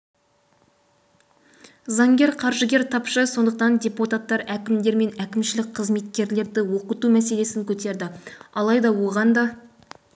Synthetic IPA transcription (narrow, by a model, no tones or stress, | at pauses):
zɑŋɡʲe̞ɾqʰɑɾʒəɡʲe̞ɾt̪ʰɑpʃəso̞nd̪əq̚t̪ɑnd̪ʲe̞put̪at̪ːɑɾækʲɪmd̪e̞ɾme̞nækʲɪmʃɪlɪk̚ʲqʰəzme̞t̪̚kʲe̞ɾle̞ɾd̪ɪwo̞qət̪umæse̞le̞sɪŋkʲʰɵt̪e̞ɾd̪ɪɑlˠɑjd̪ɑwo̞ʁɑnd̪ɑ